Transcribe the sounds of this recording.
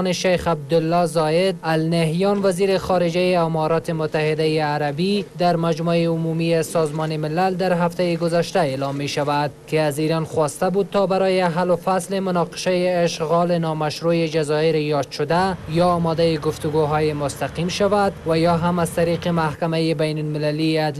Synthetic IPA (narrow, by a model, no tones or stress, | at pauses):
neʃajxab̚d̪ʊlːɒzɒɪd̪alneɦjɔnwaziːɾɪxɒɾɪd͡ʒajeamɔɾɒt̪ɪmʊt̪ahɪd̪ajeaɾabid̪aɾmad͡ʒmaeʊmumijesɒzmɔnemɪlald̪aɾɦaft̪ajeɡʊzaʃt̪aeːlɒmːeʃavad̪̚kɪaziɾanxwɒst̪abud̪̚t̪ɔbaɾɔjeaɦalʊfaslemʊnɒqɪ̥ʃajeːʃɣɔlɪnɒmaʃɾujed͡ʒazɒɪɾejɒd̪ʃʊd̪ajɒːmɔd̪ajeɡʊft̪ʊɡoɦɔjemʊst̪aqimʃavad̪wajɔɦamazt̪aɾiqemahkamajebajnʊlmɪlaliad̪